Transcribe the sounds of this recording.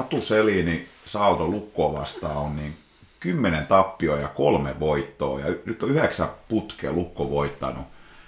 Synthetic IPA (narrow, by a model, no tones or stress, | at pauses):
ɑt̪uselinisɑut̪olukːoːʋɑ̰st̪ɑːonniːŋ | kymːenent̪ɑpːiojɑkolmeʋoit̪ːo̰ːjɑynyt̪ːoyheksæput̪kḛlukːoʋoit̪ːɑ̰nu